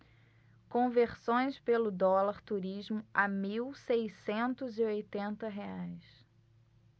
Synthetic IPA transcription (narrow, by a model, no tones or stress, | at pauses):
kõveɾsõj̃spelʊd̪ɔlaɾt̪uɾiʒmʊamiwsejsẽnt̪ʊziojt̪ẽnt̪ɐɦeajs